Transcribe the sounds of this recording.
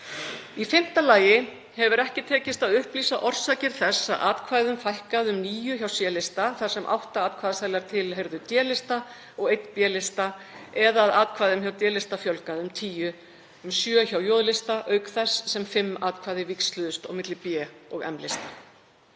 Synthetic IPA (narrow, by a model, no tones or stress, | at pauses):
ifɪm̥t̪alaːjɪ | hɛvʏɾɛhcɪt̪ʰɛːcɪst̪aðʏhpliːsaʔɔr̥saːcɪɾ̥θɛsːa̰ðaːt̪kʰvaːjðʏmfajhkaðʏmniːjʏçawsjɛːlɪst̪aθaɾ̥sɛmʔa̰wht̪aaːt̪kʰvaːðasaːjlaɾ̥t̪ʰɪlɦejɾðʏt̪jɛːlɪst̪a | ɔɣejt̪pjɛlɪst̪aɛðaðaːt̪kʰvaːjðʏmçawt̪jɛːlɪst̪afjɔlkaʏmt̪ʰiːjʏ | ʏmsjœːçawjɔːðlɪst̪aʔœːɥkθɛsːɛmfɪmːaːt̪kʰvaːjðɪvikst̪lʏðʏst̪ɔ̰ɣmɪt̪lɪpjɛɔɣɛ̰mlɪst̪ḁ